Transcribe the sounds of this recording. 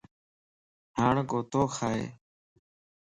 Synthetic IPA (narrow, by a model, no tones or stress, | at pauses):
ɦaːɳɡoːt̪oːxʰaːḛː